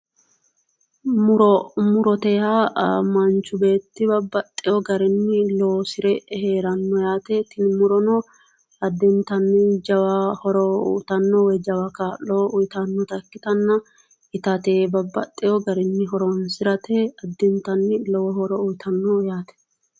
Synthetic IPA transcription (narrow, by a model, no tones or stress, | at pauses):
mʊɾɔmʊɾɔt̪ɛjamɐnt͡ʃːʊbeːt̪ːɪbɐbːɐt̪ʼːɪjɔɡɐɾɛnːɪlɔwɔsɪɾɛheːɾɐnːɔjaːt̪ɛt̪ɪnmʊɾɔnɔ | ɐd̪ːɛnt̪ɐnːɪd͡ʒɐwɐhɔɾɔ̰ːt̪ɐnːɔwɛd͡ʒɐwɐkaːllɔʊjt̪ɐnːɔt̪ɐkːɪt̪ɐnːɐ | ɪt̪ɐt̪eːbɐbːɐ̰t̪ʼːɪjɔɡɐɾɛnːɪɦɔɾɔnsɪɾɐt̪ɛɐd̪ːɛnt̪ɐnːɪlɔwɔhɔɾɔujt̪ʰɐnːɔjaːt̪ɛ̥